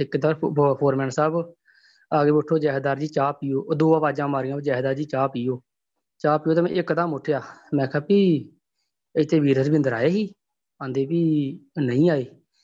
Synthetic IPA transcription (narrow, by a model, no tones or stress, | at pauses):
ɪkːd̪aːɾpʰoːɾmɛːnsaːb | aːɡeːʊʈʰːoːd͡ʒɛːɦd̪aːɾd͡ʒiːt͡ʃaːpiːoːd̪oːãːpaːd͡ʒãːmaːɾɪjãːd͡ʒɛːɦd̪aːɾd͡ʒiːt͡ʃaːpiːoː | t͡ʃaːpiːoːt̪aːmɛ̰̃ːʔɪkd̪amʊʈʰːejaːmɛ̃ːkʰaːpiː | ɪt̪ʰːeːʋiːɾəsbɪ̃nd̪əɾaːeːɦiː | ãːnd̪eːpiːnəĩːaːeː